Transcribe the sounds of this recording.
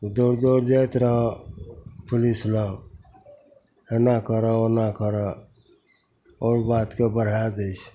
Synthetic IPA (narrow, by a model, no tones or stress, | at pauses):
d̪oɾd̪oɾd͡ʒajt̪ɾəɦə | pʰulisla | henakəɾəonakəɾə | ɔːɾbat̪kebəɽ̤ad͡ʒ̪əjt͡ʃʰ